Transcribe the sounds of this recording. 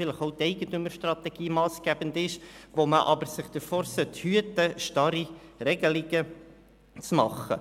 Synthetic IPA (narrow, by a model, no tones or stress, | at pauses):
fɪləχoʊtɛɪɡətøməɾʃtrɑt̪ɛɡ̥iːmɑːskæb̥ənd̪ɪʃʋoməʔɑ̰bəɾsɪχd̥əɾfɔːɾsøthyətəʃtɑɾiɾɛɡəlɪɡə | t͡smɑχə̰